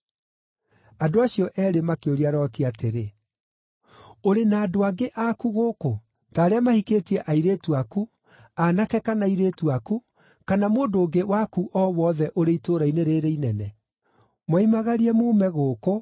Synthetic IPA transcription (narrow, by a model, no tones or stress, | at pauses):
adoaɕijɔʔɛɾemakeoɾiaɾɔtiateɾe | oɾenaːdoaɡeʔakuɣoːko | taːɾeamahikeːtiɛʔaiɾeːtuaku | anakɛkanaiɾeːtuaku | kanamoːndoːɡewakuʔɔwɔðɛʔoɾeitoːɾaineɾeɾeinɛnɛ | mwaimaɣaɾiɛmoːmɛɣoːko